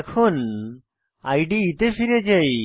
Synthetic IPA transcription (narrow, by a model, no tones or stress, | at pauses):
kʰun | ajɖiit̪efiɾed͡ʒaj